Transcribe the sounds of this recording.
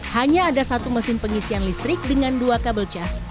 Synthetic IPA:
haɲaːdasat̪uməsɪnpəŋisianlist̪ɾɪk̚dəŋanduakabəlt͡ʃas

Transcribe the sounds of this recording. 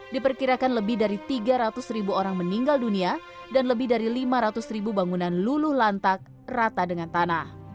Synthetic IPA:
dipərkiɾakanləbɪhdaɾit̪iɡaɾat̪ʊsribuoɾaŋməniŋɡaldunia | danləbɪhdaɾilimaɾat̪ʊsribubaŋunanlulʊhlant̪ak̚ | rat̪adəŋant̪anah

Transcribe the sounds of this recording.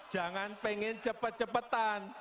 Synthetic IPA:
d̥ʒ̥ä̤ŋanpeŋɪnt͡ʃəpət̪̚t͡ʃəpət̪an

